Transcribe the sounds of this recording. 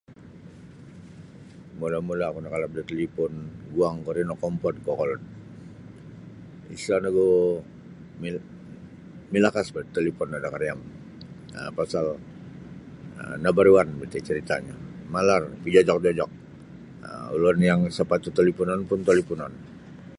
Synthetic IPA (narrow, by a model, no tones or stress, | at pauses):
molamulakunakalap̚dat̪əlipɔnɡuaŋkoɾinɔkɔmpɔd̪̚kɔkɔlɔn | isanaɡɔ | mi | milakasbat̪ːəlipɔnadakaɾijam | ə̰pasal | ə̰nabaɾuanbət̪it͡ʃəɾit̪a̰ɲa̰malarpid͡ʒad͡ʒɔk̚d͡ʒɔd͡ʒɔk̚ | ə̰ṵlɔnjaŋsəpat̪ut̪əlipunanpʊnt̪alipunan